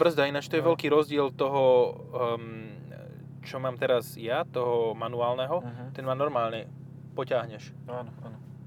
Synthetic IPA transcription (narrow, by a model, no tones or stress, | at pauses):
br̩zd̪ainaːt͡ʃt̪ɔjɛʋɛlkiːɾɔzɟɪɛlt̪ɔɦɔ | m | t͡ʃɔmaːmt̪ɛɾazjat̪ɔɦɔmanuaːlnɛɦɔt̪ɛnmaːnɔɾmaːlɲɛ | pɔcaɦɲɛʃ | anɔanɔ